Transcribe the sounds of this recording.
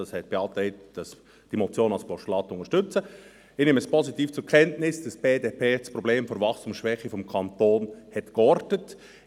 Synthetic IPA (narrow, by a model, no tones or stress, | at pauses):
ɑshɛt̚b̥eɑːtɛɪtd̥ɑs | d̥imɔt͡sjoːnɑlspʰɔʃlɑːtʊŋəɾʃtʏt͡sə | ɪneːməspʰɔzitiːft͡suɾkʰɛntnɪsd̥ɑsb̥eːdeːpʰeːsprɔbleːmfoɾvɑχstuːmsʃʋɛχəfɔmkʰɑntoːnhɛtkɔɾdnət